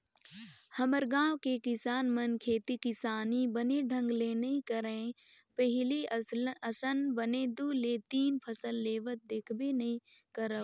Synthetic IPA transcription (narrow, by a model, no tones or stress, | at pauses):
hɐməɾɡãːwkekɪsaːnmənkʰeːt̪ikɪsaːnibəneɖʱə̃ŋɡleːnɐĩkəɾẽː | pəɦɪliəsənbəned̪uːleːt̪iːnpʰəsəlːeːʋət̪̚d̪eːkʰbenɐɦĩ | kəɾə